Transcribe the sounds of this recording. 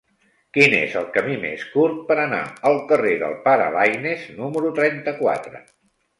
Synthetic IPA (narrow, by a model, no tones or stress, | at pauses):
kinḛzəlˠkəmimḛskuɾt̪̚pəɾəna̰əlˠkəreðə̰lˠpaɾə̰βajneznuməɾut̪ɾɛnt̪əkwa̰t̪ɾə̰